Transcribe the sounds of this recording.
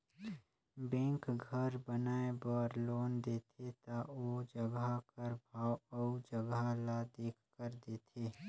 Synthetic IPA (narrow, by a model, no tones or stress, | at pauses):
bɛ̃ːkɡʱəɾbənaːebɔːɾloːnd̪eːt̪ʰet̪aod͡ʒəɡakəɾbʱaːwɔud͡ʒəɡalad̪eːkʰkəɾd̪eːt̪ʰeː